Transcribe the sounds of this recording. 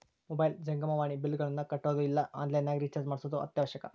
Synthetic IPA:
mobɐjld͡ʒɐŋɡɐmɐʋaːɳibilːɡɐɭinːɐkɐʈːoːd̪uilːɐʔa̰ːndleːnːaːɡɾit͡ʃɐɾsmaːɽsoːd̪uʔɐ̰t̪jaːʋɐɕjɐkɐ

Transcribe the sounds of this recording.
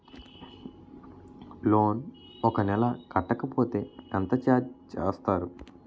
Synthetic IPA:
loːn | ɔkɐnɛlakɐʈɐkɐpoːt̪eɐnt̪ɐt͡ʃat͡ʃːst̪aɾu

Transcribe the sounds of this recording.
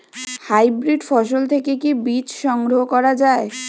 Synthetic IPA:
hajbɾiɖfɔʃ̬olt̪ʰekekebit͡ɕʃɔŋɡɾoɦokɔɾad͡ʑae

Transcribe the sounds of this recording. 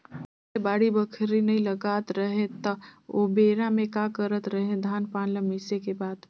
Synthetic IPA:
ebaːɽibəkʰɾinɐɦĩləɡaːt̪ɾəɦẽt̪ɐobeːɾamẽkakəɾət̪ɾəɦẽd̪ʱaːnpaːnlə̃mɪsekebaːd̪

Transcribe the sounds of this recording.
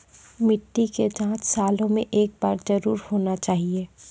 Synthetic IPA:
mɪʈːiked͡ʒãːt͡ʃsaːlõmẽʔeːk̚baːɾzɐɾuːɾhoːnat͡ʃaːɦieː

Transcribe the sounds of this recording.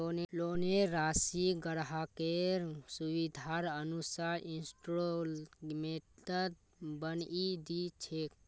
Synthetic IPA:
onloneɾaːsiɡəɽɦakeɾsuʋid̪ʱaɾənusaɾinsʈɾolmeəd̪ | bənid̪it͡ʃʰek

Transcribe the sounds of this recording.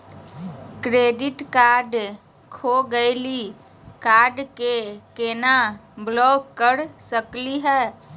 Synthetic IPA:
kɾeːɖɪʈkaːɾɖ | kʰoɡəɪli | kaːɾɖkekenablɔːɡkːəɾsəkliɦɛː

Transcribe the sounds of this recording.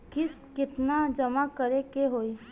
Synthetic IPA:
kɪs | kɪt̪nad͡ʒəmakəɾekeɦoːi

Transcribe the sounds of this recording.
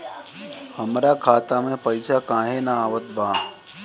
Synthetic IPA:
həmɾakʰaːt̪amẽpəɪsʰakãːɦenaaːʋət̪̚baː

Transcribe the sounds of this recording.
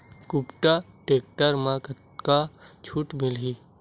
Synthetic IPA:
kupʈa | ʈeːk̚ʈəɾmãk | kat͡ʃʰuːʈmɪlɦi

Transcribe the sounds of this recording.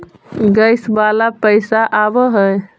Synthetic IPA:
ɡəjsbalapəjsaʔabəɦəj

